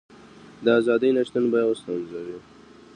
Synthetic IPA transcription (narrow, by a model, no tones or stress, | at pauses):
d̪əazɑd̪əjnaʃt̪ənbɑjaost̪ɑnzawi